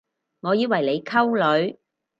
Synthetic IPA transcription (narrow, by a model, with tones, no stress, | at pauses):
ŋɔː˨˧jiː˨˧wɐ˨˩jle˨˧jkʰɐ˥wlɵ˨˧ɥ